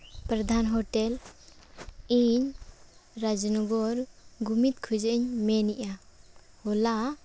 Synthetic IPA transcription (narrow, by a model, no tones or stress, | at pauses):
pɾɔd̪ʱanɦɔʈɛl | iɲ | ɾad͡ʒɔnɔɡɔɾɡumit̪̚kʰud͡ʒəɲmɛniʔa | hɔla